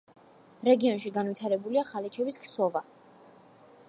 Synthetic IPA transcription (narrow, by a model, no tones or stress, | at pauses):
ɾɛɡiɔnʃiɡanvit̪ʰaɾɛbuliaχalɛt͡ʃʰɛbiskʰsɔva